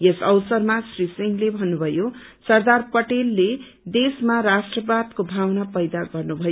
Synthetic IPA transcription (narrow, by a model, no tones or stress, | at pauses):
jesʌwsʌrmasrisiŋɡlebʱʌnːubʱʌjosʌrd̪arpʌʈelːe | d̪esmaɾasʈrʌbad̪kobʱawnapʌjd̪aɡʌrnubʱʌjo